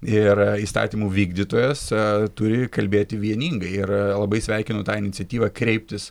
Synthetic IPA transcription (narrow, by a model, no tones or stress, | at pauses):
ɪɾiːst̪ɑ̰ːt̪ʲiːmuːʋʲiːɡd̪ʲit̪oːjɛst̪ʊɾʲɪkɐlʲbʲeːt̪ʲɪʋʲiɛnʲiːŋɡɐɪɪrlˠɐbɐɪsʲʋʲɛɪkʲɪnʊt̪ɑːɪnʲɪt̪sʲɛt̪ʲiːʋɑkɾʲɛɪpʲt̪ʲɪs